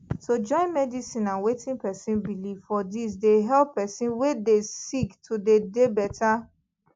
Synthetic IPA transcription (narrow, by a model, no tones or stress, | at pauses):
sod͡ʒɔ̃ɪ̃nmɛdisĩnãnwetĩnpɛsĩnbilivfɔdis̬deɦɛlppɛsĩnwedesiktʰudedebɛta